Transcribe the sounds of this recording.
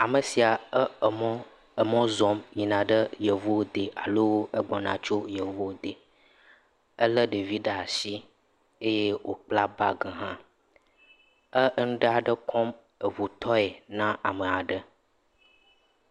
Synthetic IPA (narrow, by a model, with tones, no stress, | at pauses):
a˨mə˨si˨a˨˦˨mɔ˦ | ə˨mɔ̃˦zɔ˨mɲĩ˨nã˨ɖə˦jə˨vo˦d̪e˨ʔa̰˨lo˦wo˦e˦ɡ͡bɔ˨nã̰˨t͡ʃo˦jə˨vo˦˨d̪e˨ | ə˦lə˦ɖe˨vi˦ɖə˨a˨si˦ | e˦je˦wo̰˨k͡pla˦ba̰˦ɡə˨ɦã˦ | ə˦nũ˦ɖa˨ɖə˦kʰɔ˦m | ə˨vu˨t̪ʰɔ˦e˨nã˦ʔa˨mə˨a˨ɖə˦